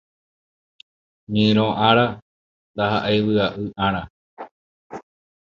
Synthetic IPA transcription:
ɲẽɾ̃õʔãɾa | nd̪aɦaʔajwɨaʔɨʔãɾ̃a

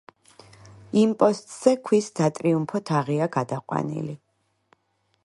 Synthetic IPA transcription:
impʼɔst̪ʼz̥ɛkʰwisd̪̥at̪ʼɾiumpʰɔt̪ʰaʁiaɡad̪aqʼwa̰nḭli

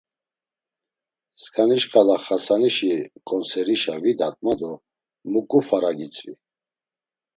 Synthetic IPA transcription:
skʼaniʃkʼalaχasaniʃikʼɔnsɛɾiʃavid̪at̪ʼmad̪ɔ | mukʼufaɾaɡit͡sʼvḭ

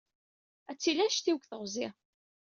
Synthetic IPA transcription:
æt͡sːilæʃt̪iwkθəʁzɪʁ

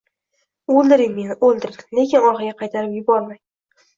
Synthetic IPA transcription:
olˠd̪ɪɾɪŋme̞nɪʔolˠd̪ɪɾɪle̞kʲɪnɒɾχɪɡʲaqʰɑjt̪ʰaɾɪpjʊbɒɾmaj

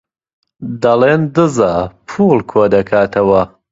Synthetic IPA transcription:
d̪ɐlend̪ɨzapʰuːlˠkʰoːd̪ɐkʰaːt̪ʰɐwɐ

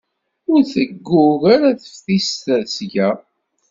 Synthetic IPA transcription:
ʊɾθəɡːʊɣaɾaθə̥fθist̪əðsʝæ

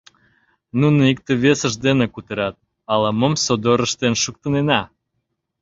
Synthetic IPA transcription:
nunoik̚t̪eβesəʃd̪enekut̪eɾɑt̪̚ | ɑləməmsod̪oɾəʃt̪enʃuk̚t̪ə̆nenɑ

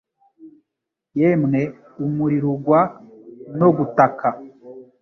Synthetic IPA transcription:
jemŋe | umuɾiɾuɡwa | no̞ɡutakʰa

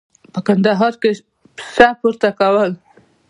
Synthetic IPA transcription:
pəkand̪aɦɑɾke | sapuɾt̪akawəl

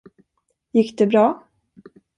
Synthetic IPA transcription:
jɪkːd̪ɛbɾɑː

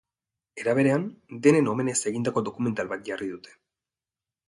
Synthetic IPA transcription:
e̞ɾaβ̞e̞ɾe̞and̪e̞ne̞no̞me̞ne̞se̞ɣind̪ako̞d̪o̞kume̞nt̪alβat̪̚ʝariðut̪e̥

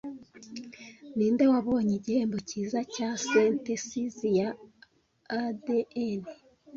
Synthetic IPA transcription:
niːndewaβoːɲiɟiheːmbociːzacasentesizijaː | deene

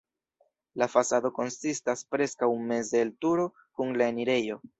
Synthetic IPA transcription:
lafasado̞ko̞nsistaspɾe̞skawme̞zeltuɾo̞ | kuŋlae̞niɾe̞jo

